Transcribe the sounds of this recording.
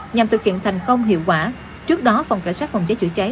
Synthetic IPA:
ɲa˨˩mt̪ʰɨ˨˩k̚hḭ˧˨ənt̪ʰɛ˨˩jŋ̟kə˧wŋ͡mɦḭ˧˨əwkwaː˧˩ | t͡ɕɨ˦˥ək̚ɗɔ˨˦fa˨˩wŋ͡mka˧˥˩jswaː˦˥t̚fa˨˩wŋ͡mt͡ɕəː˨˦jt͡ɕɨ̰˧˩t͡ɕa˨˦

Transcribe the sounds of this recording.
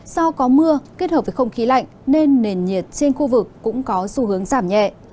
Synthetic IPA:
sɔ˧wkɔ˨˦mɨ˧əke˦˥t̚həː˨˩p̚və˨˩xə˧wŋ͡mxi˨˦la̰˧˨jŋ̟ne˧nːe˨˩nɲi˨˩ət̚t͡ɕe˧nxu˧vɨ˨˩kːʊ̰˧˥ŋ͡mkɔ˨˦su˧˦hɨ˨˦əŋzaː˧˩mɲɛ̰˧˨ʔ

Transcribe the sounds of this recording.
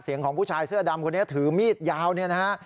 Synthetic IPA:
si˩˦əŋkʰɔː˩˦pʰuː˥˩t͡ɕʰaː˧jsɯ˥˩ɐda˧mkʰo˧nːi˦˥t̪ʰɯː˩˦miː˥˩t̪̚jaː˧wni˥˩ɐna˦˥a˦˥ʔ

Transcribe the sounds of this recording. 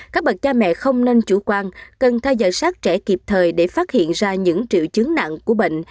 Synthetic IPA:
kaː˦˥k̚ɓə˨˩t̚t͡ɕaː˧mɛ̰˧˨xə˧wŋ͡mne˧nt͡ɕu˧˩kwaː˧nkə˨˩nt̪ʰɛ˧wzɔ̰ː˧˨jsaː˦˥k̚t͡ɕɛ˧˩ki˨˩p̚t̪ʰəː˨˩jɗe˧˩faː˦˥t̚hḭ˧˨ənzaː˧ɲɨ̰˧˥ŋt͡ɕḭ˧˨wt͡ɕɨ˨˦əŋna̰˧˨ŋku˧˩əɓḛ˧˨ŋ̟

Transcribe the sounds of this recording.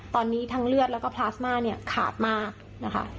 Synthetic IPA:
t̪ɔː˧nːiː˦˥t̪ʰa˦˥ŋlɯ˥˩ət̪̚lɛː˦˥wkɔː˥˩pʰlaː˦˥smaː˥˩ni˥˩ɐkʰa̰ː˨˩t̪̚maː˥˩k̚ | na˦˥kʰa̰˦˥

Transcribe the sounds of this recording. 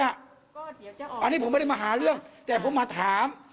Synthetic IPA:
a˧˩ | ʔa˧nːiː˦˥pʰo˨˦m˥˩ɾa˥˩maː˧ɦaː˨˩˦ɾɯ˥˩əŋt̪ɛː˨˩pʰo˨˦maː˧t̪ʰaː˨˩˦m

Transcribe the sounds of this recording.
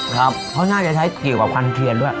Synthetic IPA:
kʰɾa˦˥p̚pʰːɔ˦˥ŋaː˥˩kt͡ɕa˨˩t͡ɕʰa˦˥jki˨˩əwkaː˨˩p̚kʰa˧nt̪ʰi˧əndu˥˩əj

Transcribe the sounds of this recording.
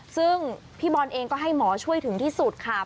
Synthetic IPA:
sɯ˥˩ŋ | pʰiː˥˩bɔː˧nʔeː˧ŋkɔː˥˩ɦa˥˩jmɔː˩˦t͡ɕʰu˥˩əjt̪ʰɯ˩˦ŋt̪ʰiː˥˩su˨˩t̪̚kʰa˥˩

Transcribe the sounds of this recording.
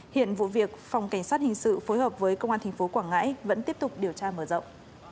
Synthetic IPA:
hḭ˧˨ənvṵ˧˨vi˨˩ək̚fa˨˧wŋ͡mka˧˩ŋ̟saː˦˥t̚hï˨˩ŋ̟sɨ̰˧˨fo˨˦jɦəː˨˩p̚vəː˨˦jkə˧wŋ͡mʔaː˧t̪ʰa˨˩ŋ̟fo˨˦kwaː˧˩ŋa̰ː˧˥jvə̰˧˥nt̪i˦˥əp̚t̪k͡p̚ɗi˨˩əwt͡ɕaː˧məː˧˩zə̰˧˨ŋ͡m

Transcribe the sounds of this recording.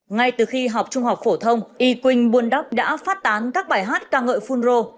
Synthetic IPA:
ŋa˧jt̪ɨ˨˩xi˧ɦa˨˩wk͡p̚t͡ɕʊ˧ŋ͡mhɦa˨˩wk͡p̚fo˧˩t̪ʰə˧wŋ͡mʔi˧˩kwï˧˩ŋ̟ɓu˧˩ənɗa˦˥k͡p̚ɗa̰ː˧˥faː˦˥t̚t̪aː˨˦nkaː˦˥k̚ɓaː˧˩jɦaː˦˥t̚kaː˧ŋə̰ː˧˨jfu˧nzo˧

